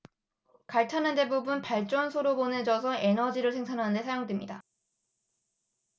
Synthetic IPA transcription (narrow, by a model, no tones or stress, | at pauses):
kaɭtʰanɯnde̞bubunpaɭt͡ɕ͈ʌnsʰoɾopone̞d͡ʑʌsʰʌʔe̞nʌd͡ʑiɾɯɭsʰe̞ŋsʰanɦanɯnde̞sʰajoŋdwemɲida